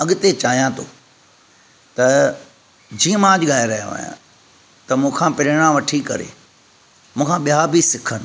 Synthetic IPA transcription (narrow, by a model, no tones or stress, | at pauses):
ɐɠt̪et͡ɕaːɦijãt̪ʰo̰ː | t̪ɐ | d͡ʑiːə̃mãːd͡ʑɡaːɪɾɐɦja̰ʋa̰ːjã̰ | t̪ɐmũːkʰãpɪɾɽ̃ãʋɐʈʰikɐ̰ɾḛ | mũːkʰãɓijabʱisɪkʰənɪ̆